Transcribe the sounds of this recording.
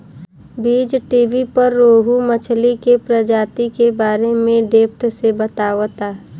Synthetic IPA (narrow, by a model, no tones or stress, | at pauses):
biːd͡ʒʈiːʋipəɾːoːɦumət͡ʃʰlikepɾəd͡ʒaːt̪ikebaːɾemẽɖeːpt̪ʰsebət̪aːʋt̪aː